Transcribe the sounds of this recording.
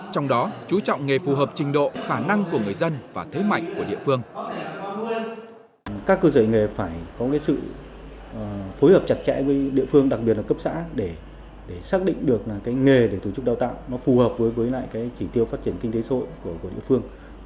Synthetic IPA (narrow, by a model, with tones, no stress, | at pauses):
t͡ɕɔ˧wŋ͡mɗɔ˨˦t͡ɕu˨˦t͡ɕɔ̰˧˨wŋ͡mŋe˨˩fu˨˩ɦəː˨˩p̚t͡ɕï˨˩ŋ̟ɗo̰˧˨xaː˧˩na˧ŋku˧˩əŋɨ˨˩əjzə˧nvaː˨˩t̪ʰe˨˦ma̰˧˨jŋ̟ku˧˩əɗḭ˧˨əfɨ˧əŋ | kaː˦˥kːəː˧zəː˧˩jŋe˨˩faː˧˩jkɔ˨˦kaː˨˦jsɨ̰˧˨˩ | fo˨˦jhəː˨˩p̚t͡ɕa˨˩t̚t͡ɕɛ̰˧˥jvəː˨˦jɗḭ˧˨əfɨ˧əŋɗa˨˩k̚ɓi˨˩ət̚laː˨˩kə˦˥p̚sa̰ː˧˥ɗe˧˩ | ɗe˧˩saː˦˥k̚ɗḭ̈˧˨ŋ̟ɗɨ˨˩ək̚a˨˩kaː˨˦jŋe˨˩ɗe˧˩t̪o˨˧˩t͡ɕʊ˦˥k͡p̚ɗaː˧wt̪a̰ː˧˨wnɔ˨˦fu˨˩həː˨˩p̚vəː˨˦jvəː˨˦jla̰ː˧˨jkaː˨˦jt͡ɕi˧˩t̪i˧əwfaː˦˥t̚t͡ɕi˧˩ənkï˧ŋ̟t̪e˨˦sə˧˨o˧˨jku˧˩əku˧˩əɗḭ˧˨əfɨ˧əŋ